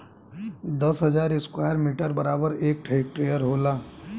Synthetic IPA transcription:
d̪əsɦəd͡ʒaːɾɪskwajəɾmiʈəɾbəɾaːbəɾeːk̚ʈʰeɪk̚ʈɾejəɾɦoːla

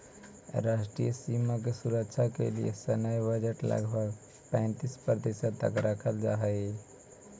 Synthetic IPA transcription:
ɾasʈɾijəsimak̬esuɾəkt͡ʃʰakḛlḭḛsənəjbəd͡ʒeʈlə̰ɡbʱəɡ | pə̃ɪ̃nt̪ispəɾd̪esət̪ə̰kɾəkʰəld͡ʒa̰ɦəj

